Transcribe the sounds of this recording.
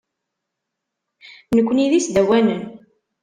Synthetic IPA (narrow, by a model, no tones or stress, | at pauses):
nəkʷːniðisd̪æwænən